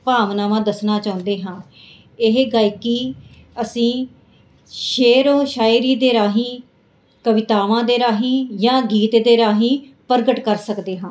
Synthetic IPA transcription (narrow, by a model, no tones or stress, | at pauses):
paːʋnaːʋãːd̪əsnaːt͡ʃaːʊ̃nd̪eːɦãː | ɪɦɡaːɪkiː | əsĩː | ʃeːɾõːʃaːiɾiːd̪eːɾaːɦiː | kəʋɪt̪aːʋãːd̪eːɾaːɦiːjãːɡiːt̪d̪eːɾaːɦiːpəɾɡəʈkəɾsəkd̪eːɦãː